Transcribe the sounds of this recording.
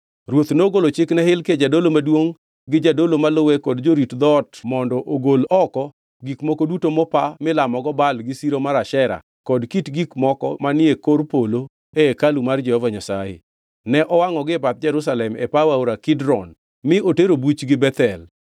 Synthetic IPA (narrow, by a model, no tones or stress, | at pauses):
rwot̪noɡolot͡ʃɪknɛɦɪlked͡ʒadolomadwoŋ | ɡɪd͡ʒadolomalʊwɛkɔdd͡ʒoɾitd̪ɔtmɔndɔʔoɡolɔkɔ | ɡikmɔkodutomɔpamɪlamɔɡɔbalɡɪsiɾomaɾaʃɛɾa̰ | kɔdkitɡikmɔkɔ̰manɪekorpolo | eekalumard͡ʒɛhɔvaɲasa̰jḛ | nɛʔɔwaŋɔɡɪpat̪̚d͡ʒɛɾus̬alɛmɛpawaoɾakɪdɾɔn | mɪʔoteɾobut͡ʃɡɪbɛt̪ɛl